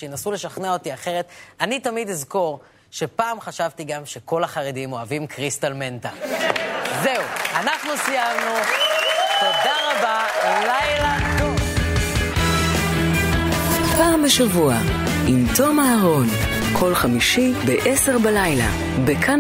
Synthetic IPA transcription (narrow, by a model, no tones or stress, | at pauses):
ʃeenasule̞ʃaχnao̞tiaχe̞ʁe̞t̪anitamidizko̞ʁ | ʃe̞paːmχaʃavtiɡamʃe̞ko̞laχaʁedimo̞avimkʁist̪alme̞nta | ze̞uanaχnusijamnu | to̞d̪aʁabaelajlanu | paːmbeʃavua | imt̪o̞maaʁo̞n | kʰo̞lχamiʃibeʔeseʁbelajla̰ | bekʰa